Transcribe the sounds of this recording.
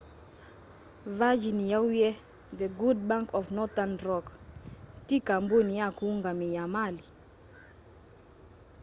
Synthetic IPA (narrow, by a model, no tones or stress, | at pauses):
vad͡ʒinijawujɛ | d̪əɡud̚bãŋkɔfnɔt̪anɾɔk | tikambunijakuŋɡamijamali